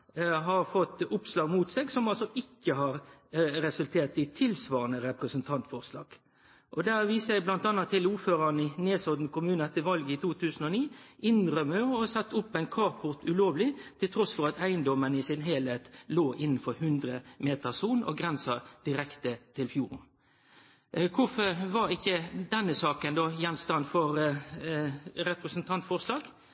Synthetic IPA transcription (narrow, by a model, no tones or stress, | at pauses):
ɦɑɾfɔt̪ːʊpslɑːɡmuːt̪seːɡsɔmɑlsɔʔɪkːəɦɑɾɾɛsʉlt̪ʰeːʁt̪̚d̪ɪt̪ʰɪlsʋɑːʁənəɾɛpʁəsənt̪ʰɑnt̪fɔʁslɑ̰ːɡ̥ | ʔɔd̪æʁʋiːsæɪblɑnt̪ɑnɑt̪ʰːɪluːføːɾɑnɪneːsɔd̪nkʊmʉːnəɛt̪ːəʋɑlɡəɪt̪ʰuːt̪ʰʉːsən̩ɔniːʔɪnʁœməɔsɑt̪ːʊpːæɪnkʰɑːʁpʰʊʁt̪ʉloːʋlɪt̪ʰɪlt̪ʰɾɔsfɔʁɑt̪æɪənd̪ɔmənɪsɪnɦeːlheːt̪loːʔɪnːn̩fɔɾhʉnd̪ɾəmeːt̪əʁsuːnɔ̰ɡɾɛnsɑd̪̥ɪʁɛkt̪ət̪ʰɪlfjuːʁn | kʰʊfəʁʋɑɾɪkːəd̪ɛnːəsɑːkənd̪oːjɛnst̪ɑnfɔɾ | ɾɛpɾəsənt̪ʰɑnt̪fɔʁslɑːɡ